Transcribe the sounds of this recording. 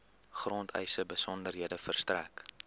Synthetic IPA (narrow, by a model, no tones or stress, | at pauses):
χroːntʰœ̰jsəbəsɔndərɦiədəfərstræ̰k